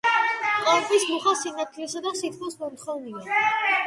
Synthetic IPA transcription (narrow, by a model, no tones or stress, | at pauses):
qʼɔɛpʼismuχasinat̪ʰilɛsad̪asit̪ʰkʰɔsmɔmt̪χɔvnia